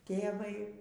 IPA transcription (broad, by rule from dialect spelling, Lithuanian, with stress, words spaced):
ˈtʲeːʋɐɪ